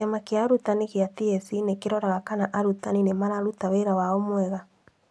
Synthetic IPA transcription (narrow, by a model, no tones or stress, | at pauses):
amakeaɾutaniɣeatiɛsinekeɾɔɾaɣakanaʔaɾutaninemaɾaɾutaweɾawaɔmwɛɣa